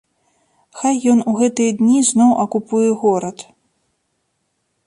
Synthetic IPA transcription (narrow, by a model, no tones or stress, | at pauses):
xajːɔnuɣɛt̪ɨjɛd̪ʲnʲiznɔwʔɐkupujɛɣɔɾɐt̪